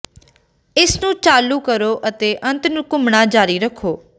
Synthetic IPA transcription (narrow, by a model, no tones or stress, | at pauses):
ɪsnũːt͡ʃaːluːkəɾoːʔət̪eːʔə̃nt̪nũːkʊmɳaːd͡ʒaːɾiːɾəkʰːoː